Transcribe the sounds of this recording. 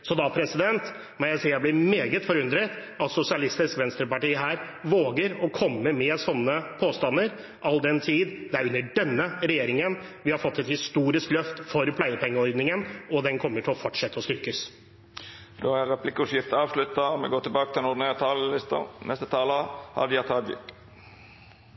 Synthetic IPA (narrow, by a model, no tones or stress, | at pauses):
sɔd̪ɑːpʰɾɛsɪd̪ɛnt̪ | mɛnjæɪsiəblɪmeːɡət̪fɔɾʉnd̪ɾət̪ | ɑt̪sʊsɪɑlɪst̪ɪskʋɛnst̪ɾəpɑʈiːəɦæːɾ | ʋoːɡəɾɔkʰɔmːəmɛsɔnːəpʰoːst̪ɑnːəɾ | ʔɑld̪ɛnt̪ʰiːd̪d̪ɛæɾʉnːəɖɛnːəɾɛjeːɾɪŋənʋɪhɑɾfɔt̪ːɛt̪hɪst̪uːɾɪsklœft̪fɔɾpʰlæɪəpʰɛŋːəɔɾd̪nɪŋənɔd̪ɛnkʰɔmːəʈʰɪlɔfɔʈʂɛt̪ːəɔst̪ʏɾkəs | d̪oːæʁɛpʰlɪkːʉsjɪft̪əɑːʋslʉt̪ːɑmɛ̰ɡoːt̪ɪlbɑːkət̪ɪɛnʊd̪ɪnæːʁət̪ʰɑːllɪst̪ə̰nʔɛst̪ət̪ʰɑːləhɑ̰d̪ɪɑt̪ʰɑd̪jɪ̰k